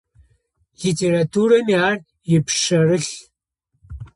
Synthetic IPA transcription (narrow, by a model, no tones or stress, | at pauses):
litʰeɾatʰuːɾɐniaːr | jɪpʰʂɐrɨɬ